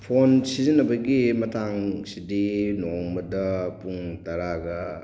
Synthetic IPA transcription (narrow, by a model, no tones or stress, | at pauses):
pʰonsizinɐbɐɡimɐtʰaŋsidinoŋmɐdɐpuŋtɐɾaɡɐ